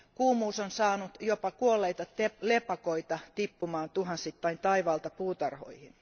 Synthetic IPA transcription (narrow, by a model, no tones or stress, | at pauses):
kuːmuːsonsɑːnut̪jopɑkuolːeit̪ɑt̪elepɑkoit̪ɑt̪ipːumɑːnt̪uhɑnsit̪ːɑint̪ɑiʋɑːlt̪ɑpuːt̪ɑrho̰ihin